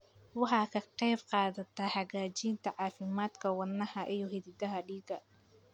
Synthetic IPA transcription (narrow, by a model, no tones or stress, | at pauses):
wɑħɑːkʰɐqɛjbqɑːðɐt̪ʰaħɑɣaːt͡ʃiːnt̪ʰɐʕɑːfɪmaːd̪kʰɐwɑnːɐhɐʔijɔɦɪðɪd̪ɐɦɐɖiːɡɐ